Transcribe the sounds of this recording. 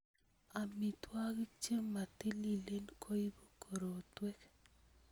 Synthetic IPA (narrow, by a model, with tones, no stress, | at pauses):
a˨mi˨twa˦ɡi˦t͡ʃe˦mmːa˨ti˦li˨le˦nkʰo˦i˦bo˦kʰo˨ɾo˨twɛ˦k